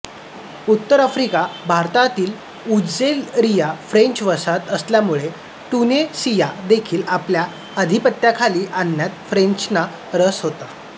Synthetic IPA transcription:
ut̪ːəɾəfɾikabʱaɾt̪at̪iːl | ud͡zelɾijafɾeɲt͡ɕʋəsat̪əsljamuɭe | t̪unesijad̪ekʰiːlaplja | əd̪ʱipət̪jakʰaliːʔanːjat̪fɾeɲt͡ɕna | ɾəsɦot̪a

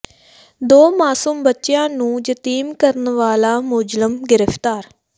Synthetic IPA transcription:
d̪oːmaːsumbətːʃjãːnũːd͡ʒət̪iːmkəɾənʋaːlaːmʊd͡ʒləmɡɪɾəfʰt̪aːɾ

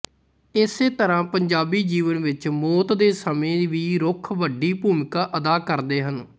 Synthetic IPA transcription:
ɪseːt̪əɾãːpəɲd͡ʒaːbiːd͡ʒiːʋənʋɪt͡ʃmoːt̪d̪eːsəmẽːʋiːɾʊkʰʋəɖiːpuːmɪkaːʔəd̪aːkəɾd̪eːɦən

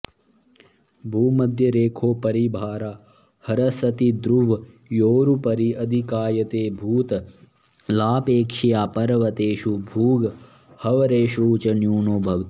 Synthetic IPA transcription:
bʱuːmɐd̪ʱjɐɾeːkʰoːpɐɾibʱaːɾa | hɐɾɐsɐt̪id̪ɾuʋ | joːɾupɐɾiʔɐd̪ʱikaːjɐt̪eːbʱuːt̪ɐ | laːpeːkʂɐjaːpɐɾʋɐt̪eːʃubʱuːɡ | hɐʋɐɾeːʃuːt͡ʃɐnjuːnoːbʱɐʋt̪i̥

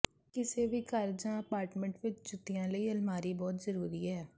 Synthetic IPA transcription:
kɪseːʋiːkəɾd͡ʒãːəpaːɾʈmə̃ɳʈʋɪt͡ʃd͡ʒʊt̪ːijãːləiːəlmaːɾiːbɔːt̪zəɾuːɾiːɦɛː

